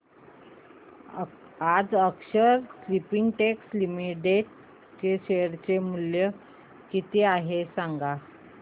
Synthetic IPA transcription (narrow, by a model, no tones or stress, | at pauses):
ad͡zəkɕəɾslipiŋɡʈekslimiʈeʈ | t͡ɕeɕejəɾt͡ɕemuljə | kit̪iaɦesaŋɡa